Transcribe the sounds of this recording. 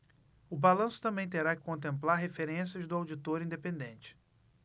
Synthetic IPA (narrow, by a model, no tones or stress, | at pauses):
ʊbalɐ̃sʊ̥t̪ɐ̃mbẽj̃t̪eɾakɪ̥kõnt̪ẽmplaɾɦefeɾẽsiɐzd̪ʊawd͡ʒit̪oɾĩd̪epẽnd̪ẽnt͡ʃɪ̥